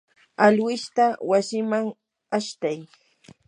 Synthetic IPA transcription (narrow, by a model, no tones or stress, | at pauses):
alwɪʃt̪awasɪmaŋ | aʃt̪aj